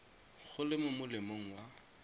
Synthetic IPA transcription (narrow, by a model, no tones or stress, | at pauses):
χʊlɪmʊmʊlɪmoŋ̩wa